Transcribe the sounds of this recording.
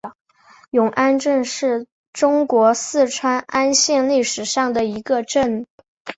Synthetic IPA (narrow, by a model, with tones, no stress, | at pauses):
jʊ˨˩ŋʔa˥nʈ͡ʂə˥˧nʂɻ̩˥˩ | ʈ͡ʂʊ˥ŋkwɔ˧˥sɹ̩˥˩ʈ͡ʂʰwa˥nʔa˥nɕjɛ˥˧nli˥˩ʂɻ̩˨˩ʂɑ˥˩ŋd̪ə˩i˧˥ɡə˧ʈ͡ʂə˥˩n